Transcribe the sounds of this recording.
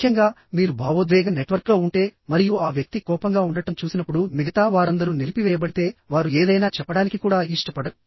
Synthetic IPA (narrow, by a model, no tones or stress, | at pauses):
kʰjɐŋɡaː | miːɾubʱaːʋod̪ʋɛːɡɐmneʈʋɐɾklo̞ːuɳʈe̞ːmɐɾijuaːʋjɐk̚t̪ikɔːpɐŋɡaːuɳɖɐʈɐmt͡ʃuːsinɐpːuɽumiɡɐt̪aːʋaːɾɐnd̪ɐɾuniɾipiʋɛːjɐbɐɽit̪e̞ːʋaːɾueːd̪ɐjnaːt͡ʃɛpːɐɽaːnikikuːɽaːiʂʈɐpɐɽɐu